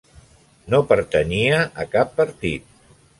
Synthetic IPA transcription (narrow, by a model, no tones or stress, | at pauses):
nopəɾt̪əniəʔəkapːəɾt̪it̪̚